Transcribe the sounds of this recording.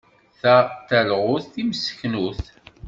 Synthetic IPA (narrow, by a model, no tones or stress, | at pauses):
θəʁˤt̪ælʁʊθθiməsə̥çnuθ